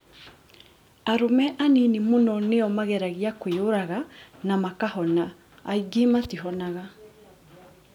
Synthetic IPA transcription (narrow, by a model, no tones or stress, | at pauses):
aɾomɛʔaninemonɔneɔmaɣɛɾaɣiakweoɾaɣanamakahɔnaː | iɡimatiɦɔnaɣa